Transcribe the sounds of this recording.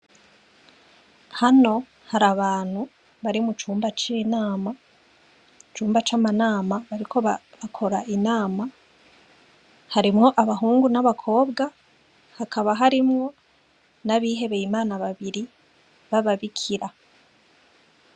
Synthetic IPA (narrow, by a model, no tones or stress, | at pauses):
hano̞ | haɾaβaːn̥hu | βaɾimut͡ʃuːmbat͡ʃiːnaːma | t͡ʃuːmbat͡ʃamanaːmaβaɾikʰo̞βaβakʰo̞ɾaʔinaːma | haɾimŋo̞ʔaβaɦuːŋɡunaβakʰo̞ːbɡa | hakaβaɦaɾimŋo̞ | naβiːɦe̞βejimaːnaβaβiɾi | βaβaβikʰiɾa